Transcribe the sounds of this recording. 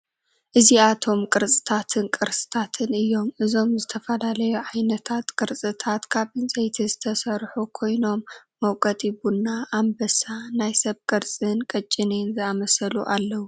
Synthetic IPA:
ʔɨziat̪ʰo̞mkʼɨɾsʼɨ̥t̪ʰat̪ʰɨnkʼɨɾsʼɨ̥t̪ʰat̪ʰɨnɨjːo̞mʔɨzo̞mzɨt̪ʰɐfɐlalɐjuʕajnɐt̪ʰat̪kʼɨɾt͡sʼɨt̪ʰat̪kʰaβɨnsʼɐjt̪ʰizɨt̪ʰɐsɐɾħukʰo̞jno̞mː | ɐwkʼɐt̪ʼibunːaʔːmbɐsanajsɐβkʼɨɾt͡sʼɨnkʼɐt͡ʃʼːɪninzɨamɐsɐluʔalːɐwu

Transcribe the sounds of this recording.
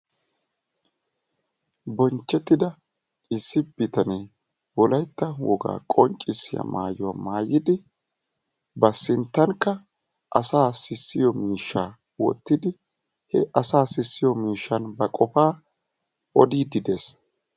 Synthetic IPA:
bɔnt͡ʃːɛt̪ːɪd̪ɐ | ɪsːɪb̥ɪt̪ɐne | wɔlɐjt̪ːɐwɔɡa̰ːkʼɔɲt͡ʃʼːɪsːɪjɐ̰ma̰ːjʊwamaːjɪd̪ɪ | bɐsɪnt̪ːɐŋkːɐ | ʔɐsaːsɪsːɪjɔmiːʃːaː | wɔ̰t̪ːɪd̪ɪ | hɛʔɐsaːsɪsːɪjɔmiːʃːɐnbɐkʼɔfaː | ʔɔd̪iːd̪ɪd̪es

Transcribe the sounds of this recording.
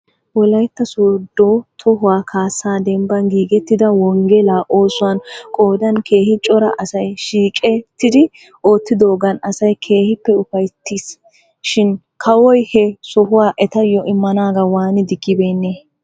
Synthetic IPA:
wɔlɐjt̪ːɐsoːd̪oːt̪ʰɔɦʊwaːkʰaːsaːd̪ɛmbɐnɡiːɡɛt̪ːɪd̪ɐwɔŋɡɛlaːʔo̞ːsʊɐnkʼoːd̪ɐnkʰe̞ːhɪt͡ʃʼɔɾɐ̰ʔɐsɐjʃiːkʼɛt̪ːɪd̪ɪ | o̞ːt̪ːɪd̪o̞ːɡɐnɐsɐjkʰe̞ːhɪpːɛʊfɐjt̪ːiːs | ʃɪn | kʰɐwɔjhɛsɔhʊwaːʔɛt̪ɐjɔʔɪmːɐnaːɡɐwaːnɪd̪ɪɡːɪbeːnːeː

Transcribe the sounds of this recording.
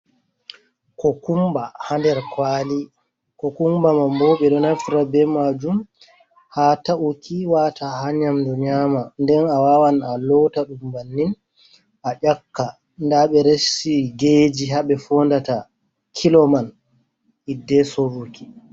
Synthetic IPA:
kɔkumbahandɛɾkwali | kɔkumbamambɔɓɛɗɔnafɾabɛmad͡ʒum | hataʔukʰiwatʰahaɲamdɔɲaːmandɛnawawanalɔtaɗumbanːin | ʔaʄakːa | ndaɓɛɾesiɡeːd͡ʒiɦaɓɛfɔndata | kʰilɔman | ʔidːɛsoɾuki̥

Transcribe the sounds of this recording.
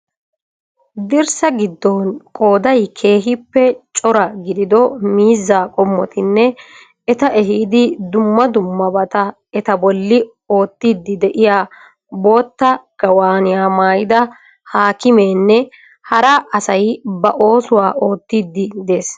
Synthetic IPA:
d̪ɪɾsɐɡɪd̪ːɔnkʼo̞ːd̪ɐjkʰe̞ːɦɪpːɛt͡ʃʼɔɾɐɡɪd̪ɪd̪ɔmiːzːaːkʼɔmːɔt̪ɪnːɛ | ɛt̪ɐʔɛɦiːd̪ɪd̪ʊmːɐd̪ʊmːɐbɐt̪ɐ | ɛt̪ɐbɔlːɪ | o̞ːt̪ːid̪ːɪd̪ɛʔɪjaː | bo̞ːt̪ːɐɡ̥ɐwaːnɪjaːmaːjɪd̪ɐ | haːkɪmeːnːɛ | hɐɾɐʔɐsɐjbɐʔo̞ːsʊwaːʔo̞ːt̪ːiːd̪ːɪd̪e̞ːs

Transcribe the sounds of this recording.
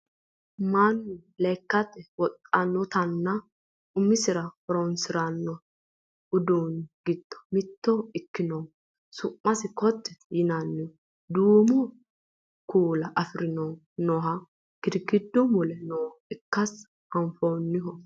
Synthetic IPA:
manːʊlɛkːɐt̪ɛwɔt̪ʼːɐnːɔt̪ɐnːɐ | ʊmːɪsɪɾɐfɔɾɔnsɪɾɐnːɔ | ʊd̪oːnɡ̥ɪd̪̥ːɔ̥mɪt̪ːɔɪkːɪnɔw | sʊʔːɐsɪkɔt̪ːɛ̥jɪnɐnːɪɔ | d̪uːmɔ | kuːlɐʔɐfɪɾɪnɔ | nɔɦɐ | ɡ̥ɪd̪ɡɪd̪ːɔmɔlɛnɔːɪkːɐs | hɐmfoːnːɪhɔ

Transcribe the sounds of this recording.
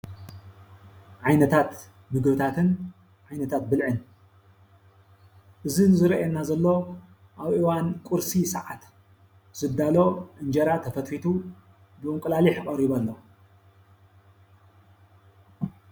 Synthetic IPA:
ʕajnɐt̪ʰat̪ | mɨɡbɨt̪ʰat̪ʰɨn | ʕajnɐt̪ʰat̪bɨlʕɨn | ʔɨzinzɨɾʔɛnːazɐlːo̞ | ʔaβʔiwankʼuɾsisɐʕat̪ | z̥ɨd̪ːalo̞ʔɨnd͡ʒɐɾat̪ʰɐfɐt̪fit̪ʰu | bɨʔɨŋkʼɨlaliħkʼɐɾiβɐlːo

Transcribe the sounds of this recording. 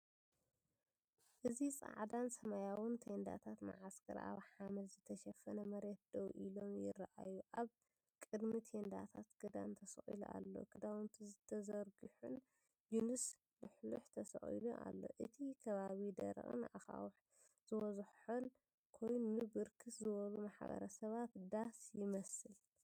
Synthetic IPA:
ʔɨzit͡sʼa̰ʕd̪ansɐmajawɨnt̪ʰend̪a̰t̪ʰat̪ma̰ʕaskʰɐ̰ɾʔa̰βħamɐlzɨt̪ʰɐʃɐfɐnɐmɐɾet̪̚d̪̥owʔilo̞mjɪ̰raʔajuʔaβ | kʼɨd̪mit̪ʰend̪a̰t̪ʰat̪ɡ̥ɐd̪a̰nt̪ʰɐsɐχʼḭluʔa̰lːo̞̰kʰɨd̪awɨnt̪ʰizɨt̪ʰɐzɐɾɡɨħun | junɨs | lɨħluħt̪ʰɐsɐ̰χʼḭluʔa̰lːo̞̰ʔɨt̪ʰikʰɐβaβid̪ɐ̰ɾ̰χʼɨ̰nʔa̰xa̰wħ | z̥ɨwɐzħħun | kʰo̞jnɨbɨɾkʰɨszɨβɐlumaħbɐ̰ɾɐsɐβat̪d̪asjɪmɐsɨl

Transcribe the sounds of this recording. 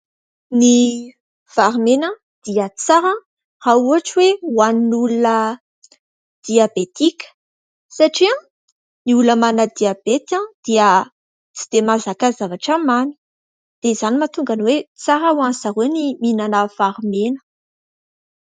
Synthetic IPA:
ni | faɾmenã | d̪̥iət͡saɾã | rauɦaʈ͡ʂiweuaninulunə | d̪̥iabet̪ikʲə̥ | saʈ͡ʂiã | niuləmanəd̪iabet̪ãd̪̥iə | t͡si̥d̪̥emazakazavaʈ͡ʂəmani̥ | d̪̥ez̥animat̪uŋɡanwet͡saɾəwãnzaɾweniminanəfaɾmenə̥

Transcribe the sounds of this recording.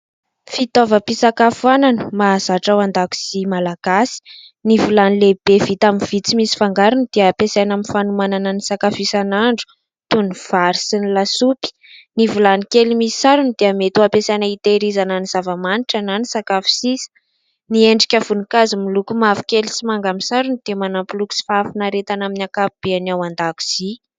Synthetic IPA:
fit̪ɔvəpisakafuananə̥mazaʈ͡ʂawand̪aku̥simalaɡ̥asi̥ | nivulanileb̥evit̪aminv̥it͡simisi̥faŋɡaɾunid̪̥eəːpesajnaminfanumanananisakafisanaɳɖ͡ʐu̥ | t̪univ̥aɾisinilasupi̥ | nivulanikelimisi̥saɾunid̪̥eəmet̪uapesajnəit̪eɾizananiz̥avamaniʈ͡ʂananisakafi̥sisə̥ | nieɳɖ͡ʐikʲəv̥unikazimilukumavu̥kʲelisimaŋɡamisaɾunid̪̥eəmanampiluku̥si̥fafinaɾet̪anaminakapib̥eanawand̪aku̥z̥i

